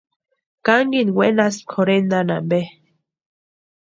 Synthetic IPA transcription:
kaŋɡinwenaskʰoɾend̪anambe

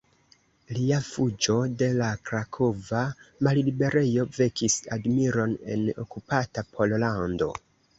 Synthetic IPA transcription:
liafud͡ʒo̞de̞lakɾakʰo̞vamallibe̞ɾe̞jo̞ve̞kisadmiɾo̞ne̞̰no̞̰kupatapʰo̞llando̞̰

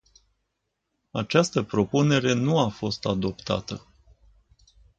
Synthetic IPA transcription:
at͡ʃast̪əpɾo̞pune̞ɾe̞nuafo̞st̪ad̪o̞pt̪a̰t̪ə

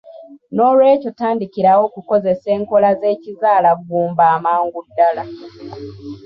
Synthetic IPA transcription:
no̞ːlwe̞ːco̞taːndikiɾawo̞kuko̞ze̞se̞ːŋko̞laze̞ːcizaːlaɡːuːmbaːmaːŋɡudːala

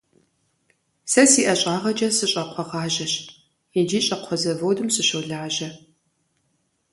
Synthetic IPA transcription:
sɐsiːʔɐɕʼaːʁɐd͡ʒɐsɨɕʼɐqʷʰɔʁɑːʒɐɕt | id͡ʒiːɕʼɐqʷʰɔzɐvoːdɨmsɨɕowɮaːʒɐ

